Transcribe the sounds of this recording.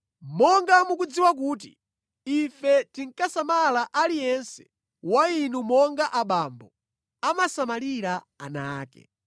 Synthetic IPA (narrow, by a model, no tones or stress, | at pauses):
mɔŋɡamukud͡ziwak̬uːt̬iː | fɛtiŋ̩kasamalaʔalijɛnsɛ̥ | wainumɔŋɡaʔaɓambɔ | amasamaliɾa | a̰naːkɛ̰